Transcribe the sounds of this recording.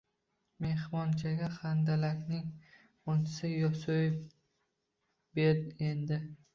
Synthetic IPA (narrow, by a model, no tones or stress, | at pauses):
me̞hmɒnt͡ʃʰaɡʲaχand̪alakʲnɪŋ | ont͡ʃʰɪ̥sɪjɒsojef | beɾe̞nd̪ɪ